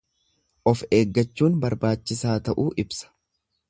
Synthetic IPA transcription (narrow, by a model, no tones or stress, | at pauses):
ʔɔfe̞ːɡːɐt͡ʃːuːnbɐɾbaːt͡ʃːɪsaːt̪ɐʔuːʔɪbsɐ̥